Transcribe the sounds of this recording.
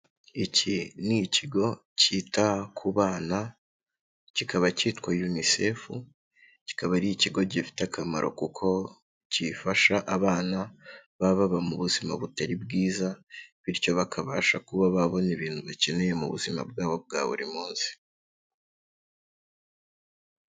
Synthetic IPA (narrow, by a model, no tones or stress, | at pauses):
iciniciɡo̞ | citakʰuβaːna | cikaβacitkwajunise̞fu | ci̥kaβaɾiiciɡo̞ɟifi̥takʰama̰ɾo̞̰kukʰo̞ | cifaʃaʔaβaːnaβaβaβamuβuzima̰βutaɾibɡiːzaβiɾco̞βakʰaβaːʃakuβaβaβo̞niβiːn̥huβaceneje̞mṵβṵzima̰b̚ɡaːβo̞b̚ɡa̰ːβṵɾḭmuːnzi̥